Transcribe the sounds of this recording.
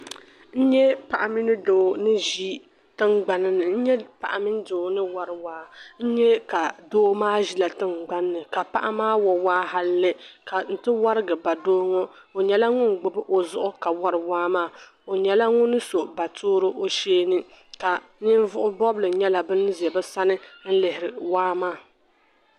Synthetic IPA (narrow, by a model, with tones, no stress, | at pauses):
n̩˦ɲɛ˦pa˨ʔa˨mi˦nɨ˦doː˨nɨ˦ʒi˦ | tɨ˦ŋɡ͡ba˨nɨ˦nɨ˨n̩˦ɲɛ˦pa̰˨ʔa˨mi˦n˦doː˨nɨ˦wa˦ɾɨ˨waː˦n̩˦ɲɛ˦ka˨doː˦maː˦ʒi˦la˨tɨ˦ŋɡ͡ba˦nː˦ɨ˨ka˨pa̰˦ʔa̰˦maː˦wɔ˨waː˦ɦa˦lːɨ˦ka˨n̩˨tɨ˦wa˦ɾɨ˦ɡɨ˨ba˨doː˦ŋɔ˦ | o˨ɲɛ˦la˦ŋʊ˦nɡ͡bʊ˨bɨ˦ʔo˨zʊ˦ʔʊ˦ka˨wa˦ɾɨ˨waː˦maː˦˨ | o˨ɲɛ˨la˦ŋʊ˦nɨ˦so˨ba˨tʰoː˦ɾɨ˦ʔo˦ʃeː˦nɨ˦ | ka˨ | nɪ˦n˦vʊ˦ʔʊ˦bɔ˦blɨ˨ɲɛ˦la˨bɨ˦n˦zɛ˨bɨ˦sa˦nɨ˦n̩˦lɪ˨hɪ˨ɾɪ˨waː˦maː˦˨